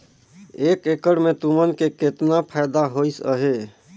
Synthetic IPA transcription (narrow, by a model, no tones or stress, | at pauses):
ekekəɽmet̪umənkeket̪napʰajd̪aɦojsə̰ɦe